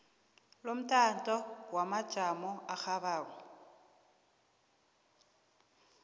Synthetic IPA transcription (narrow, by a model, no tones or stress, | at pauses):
lom̩tʼantʼɔwamḁʒ̥ʱamɔaxaβaːk̬ɔ